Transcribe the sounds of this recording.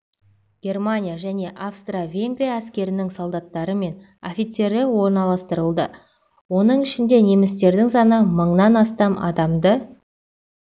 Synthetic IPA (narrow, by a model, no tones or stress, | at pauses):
ɡ̥ʲe̞rmanʲijaʒæne̞ʔafst̪ravʲe̞ŋɡrijaːskʲe̞ɾɪnɪŋsolˠd̪ɑt̪ːɑɾəme̞n | ofʲijt̪se̞ɾɪwo̞ɾnɑlˠɑst̪əɾəlˠd̪ə | wo̞nəɴɪʃɪnd̪e̞ne̞mɪst̪e̞ɾd̪ɪŋsɑnəməɴnɑnɑst̪ɑmʔɑ̰d̪ɑmd̪ə